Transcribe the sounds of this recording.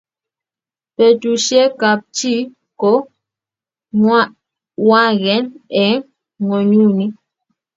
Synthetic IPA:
pɛ˨tu˨ʃjɛ˦ka˨p̚t͡ʃi˦ | kɔ˨˦ | ŋwa˦ | wa˦˨ɣɛ˨˦nɛ˨˦ŋ | ŋɔ˨ɲu˦˨ni˦

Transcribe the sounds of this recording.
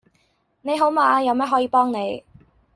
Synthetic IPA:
ne˨˧jɦo˨˥wmaː˨˧jɐ˨˧wmɛː˥ɦɔː˨˥jiː˨˧pɔː˥ŋne˨˧j

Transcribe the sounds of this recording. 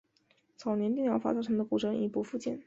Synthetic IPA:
t͡sʰɑ˨˩ʊnjɛ˧˥nt̪i˥˧ŋjɑ˥˩fa̰˧˥t͡sɑ˥˩ʈ͡ʂʰɤ˧˥ŋd̪ə˧ku˨˩ʈ͡ʂɤ˧˥ŋʔḭ˨˩pu˧˥fu˥˧t͡ɕjɛ˥˩n

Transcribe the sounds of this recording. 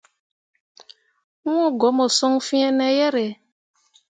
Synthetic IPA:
wɔ̃˦˨ɡɔ˨˦mɔ˨sɔ˦ŋ˦fi˦ɛ̃˦nɛ˨jɛ˦ɾɛ˨

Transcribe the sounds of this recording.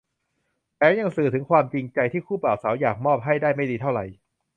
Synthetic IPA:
pɛː˨˦˥ja˧ŋsɯː˨˩t̪ʰɯ˩˦ŋkʰwaː˧mt͡ɕi˧ŋt͡ɕa˧jt̪ʰiː˥˩kʰuː˥˩paː˨˩w̚sa˩˦wjaː˨˩k̚mɔː˥˩p̚ɦa˥˩jdaː˥˩jma˥˩jdiː˧t̪ʰa˥˩wɾa˧j

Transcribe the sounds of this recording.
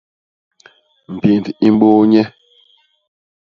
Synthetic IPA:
m̩˨pi˨nti˦m˦ɓo˦ɲɛ˦

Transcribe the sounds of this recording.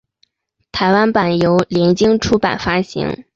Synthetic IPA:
t̪ʰa˧˥ɪwa˥npa˨˩njo˧˥ʊljɛ˧˥nt͡ɕi˥ŋʈ͡ʂʰu˥pa̰˨˩nfa˥ɕḭ˧˥ŋ

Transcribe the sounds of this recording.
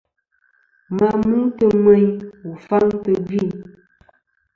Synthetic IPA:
ma˨mɨ˦tə˦mɛ˦ɲu˨fa˦ŋtə˨bi˦˨n

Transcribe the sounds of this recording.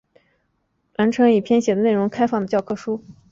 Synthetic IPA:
la˧˥nʈ͡ʂʰɤ˧˥ŋi˥˩pʰjɛ˥˧nɕjɛ˨˩d̪ə˦ne˥˩ɪʊ˧˥ŋkʰa˥ɪfɑ˥˩ŋd̪ə˩t͡ɕjɑ˥˩ʊkʰɤ˥˩ʂu˥

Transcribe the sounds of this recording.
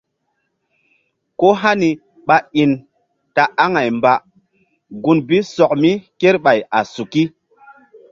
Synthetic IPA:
ko˦ɦa˦ni˨ | ɓa˦i˨n | ta˨ʔa˦ŋa˨jmba˨ | ɡu˨nbi˦sɔ˨k̚mi˦ke˦ɾɓa˨ja˨su˨ki˦

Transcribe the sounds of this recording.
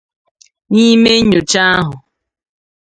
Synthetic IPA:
ɲi˦me˦ɲo˨t͡ʃa˦a˦ɦʊ˨

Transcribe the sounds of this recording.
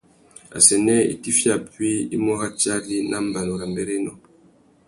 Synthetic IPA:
a̰˨sɛ˨nɛ˦ḭ˦ti˦fja˨pɥi˦ḭ˦mɔ˦ɣa˦t͡ʃa˦ɾi˦nʔa˦m˦ba˨lo˨ɾa˨mbɛ˦ɾɛ˦nɔ˨

